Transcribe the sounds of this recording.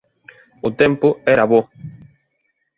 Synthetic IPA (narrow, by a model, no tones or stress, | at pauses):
ʊt̪ɛmpʊɛɾaβo